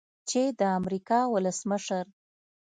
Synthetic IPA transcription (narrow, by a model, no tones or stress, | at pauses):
t͡ʃed̪əamɾikɑwʊləsməʃəɾ